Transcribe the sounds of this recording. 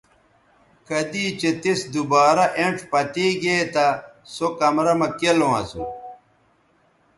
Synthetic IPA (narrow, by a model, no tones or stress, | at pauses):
kɐd̪iːt͡ɕet̪isd̪ubaːɾɐʔeɳʈ͡ʂpɐt̪iːɡet̪ɐsokɐmɾɐmɐkelowɐ̰su